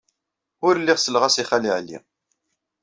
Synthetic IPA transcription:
ʊɾlːiʁsəlʁæsiχæliʕlːḭ

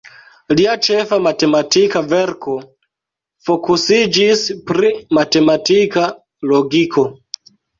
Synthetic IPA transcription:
liat͡ʃefamatematikaveɾkʰo | fokusid͡ʒispɾimatematika | loɡikʰo

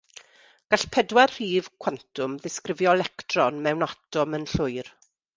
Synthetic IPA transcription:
ɡ̥aɬpʰɛdwarr̥iːv̥kʰwantʰʊmðɪskrɪvjɔlɛktrɔnmɛwnatɔmənɬʊjr

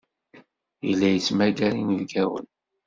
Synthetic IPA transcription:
jə̰lːæjət͡smæɡæɾinəvɡæwə̰n

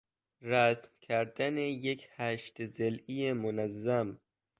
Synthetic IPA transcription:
ɾæsmkʰæɾd̪ænejekʰhæʃt̪zelijemonæzːæm

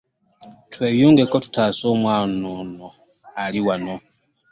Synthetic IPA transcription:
tweːjuːŋɡekotu̥taːsoːmwaːnono | aliwano

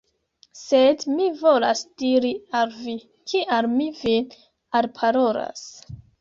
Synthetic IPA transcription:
sedmivo̞lasd̥iɾialvi | kʰiʔalmivin | alpʰaɾoɾa̰s

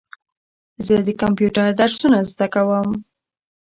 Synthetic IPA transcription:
zəd̪əkampjuʈaɾd̪aɾsunazd̪akawəm

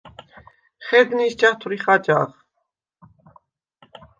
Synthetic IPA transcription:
χɛd̪nisd͡ʒat̪ʰuɾiχad͡ʒa̰χ

